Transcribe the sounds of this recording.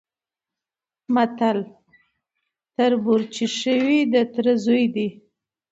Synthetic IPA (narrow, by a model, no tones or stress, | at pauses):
mat̪al | t̪əɾbuɾt͡ʃiʃəwid̪ət̪ɾəzujd̪i